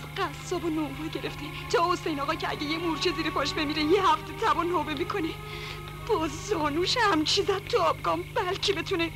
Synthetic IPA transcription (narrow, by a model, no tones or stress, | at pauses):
ɢæsːɒːbonomɾuɟe̞ɾeft̪ʰe | t̪ʰɒːosejnɒːɣɒːcʰeæ̰ɟejemuɾt͡ʃʰeziːɾepʰɒːʃbe̞miːɾejehæft̪ʰet̪ʰæbɔːnhoːbe̞miːkʰo̞ne | b̥ɒzɒːnuːʃhæmt͡ʃʰizæd̪̚t̪ʰuɒbɡɒːmbælcʰebet̪ʰune